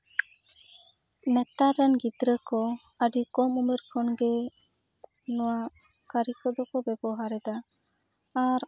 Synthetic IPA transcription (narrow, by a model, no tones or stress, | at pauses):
nɛt̪aɾɛnɡid̪ɾəkɔ | əɖikɔmumɛɾkʰɔnɡɛ | nɔwa | kəɾikɔd̪ɔkɔbɛbɔɦaɾɛd̪aː | ɾ